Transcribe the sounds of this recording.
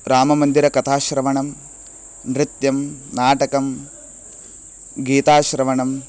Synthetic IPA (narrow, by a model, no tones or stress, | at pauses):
ɾaːmɐmɐnd̪iɾɐkɐt̪ʰaːʃɾɐʋɐɳɐm | nɾit̪jɐmnaːʈɐkɐm | ɡiːt̪aːʃɾɐʋɐɳɐm